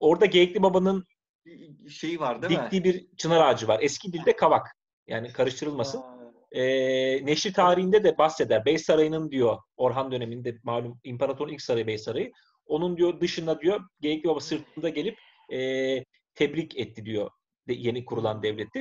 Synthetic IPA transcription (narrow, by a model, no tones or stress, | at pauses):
o̞ɾd̪aɟejɛclʲibabanɯn | ejaɾd̪d̪ic̪iːbiɾt͡ʃʰɯnaɾaːd͡ʒɯvaɾɛscʰid̪ilʲd̪ɛkʰavak | ja̰ːnikʰaɾɯʃt̪ʰɯɾɯlˠmasɯn | ɛːneʃlit̪ʰaːɾiɦind̪ɛd̪ɛbasːɛd̪æɾbɛjsaɾajɯnɯnd̪ijo̞o̞ɾɦand̪ø̞ne̞mind̪ɛmaːlʲumimpʰaɾat̪ʰo̞ɾnicsaɾajɯbɛjsaɾajɯ | o̞nund̪ijod̪ɯʃɯnd̪ad̪ijo̞ɟejɛclʲibabasɯɾt̪ʰɯnd̪aɟe̞lʲip | ɛː | t̪ʰɛbɾicɛt̪ʰːid̪ijo̞ | d̪ɛje̞nikʰuɾulˠand̪ɛvlʲɛt̪ʰːi